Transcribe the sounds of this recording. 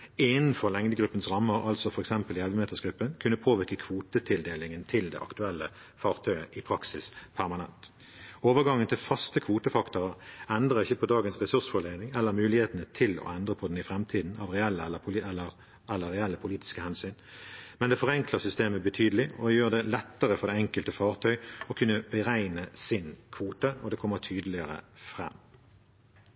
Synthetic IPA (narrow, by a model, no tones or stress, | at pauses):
ɪnn̩fɔʁlɛŋd̪əɡʁʉpːənsʁɑmːəɾɑ̰lsɔfɔʁɛksɛmpəlɪɛlʋəmeːt̪əsɡʁʉpːənkʰʉnːəpʰoːʋɪʁkəkʰʋuːt̪ət̪ʰɪld̪eːlɪŋənt̪ʰɪld̪ɛ̰ʔɑ̰kt̪ʉɛlːə | fɑːʁt̪ʰœʏəʔɪpʰʁɑksɪspʰæʁmɑnɛ̰nt̪ | oːʋəʁɡɑŋːənt̪ʰɪlfɑst̪əkʰʋuːt̪əfɑkt̪ʊʁəɛnd̪ʁəʁɪçːəpʰɔd̪ɑːɡənsʁɛsʉʁsfɔleːnɪŋɛlːəʁmʉːlɪheːt̪ənət̪ʰɪlɔ̰ɛnd̪ʁəpʰɔd̪ɛnɪfʁɛmt̪ʰiːd̪n̩ɑ̰ːʋʁɛɛlːəɛlːəpʰʊɛlːəʁ | ɛlːəʁɛɛlːəpʰʊliːt̪ɪ̥skəhɛnsyːnmɛnd̪ɛːfɔʁɛŋkləʁsʏst̪eːməbət̪ʰyːd̪əlɪɔjøːʁd̪ɛlɛt̪ːəʁəfɔʁd̪ɛɛŋkəlt̪əfɑːʁt̪ʰœʏɔkʰʉnːəbəʁæɪnəsɪnkʰʋuːt̪əɔd̪ɛːkʰɔmːət̪ʰyːd̪əlɪəʁə̰fʁɛ̰mː